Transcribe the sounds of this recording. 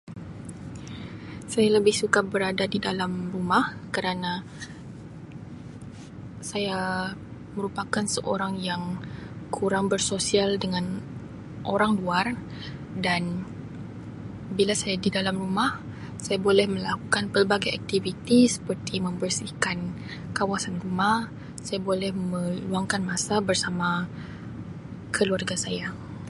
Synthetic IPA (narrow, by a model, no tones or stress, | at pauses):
sajaləbɪhsukabəɾadadidalamrumahkəɾana | saja | məɾupakansəʔo̰ɾaŋjaŋkʰuɾaŋbərsosialdəŋan | ʔoɾaŋluar | dan | bilasajadidalamrumah | sajabolɛhmə̃lakukanpərbaɡaja̰k̚t̪ivit̪isə̥pərt̪ʰimə̃mbərsihkan | kawasanrumah | sajabolɛhmə̃uaŋkanmasabərsama | kʰəluarɡasaja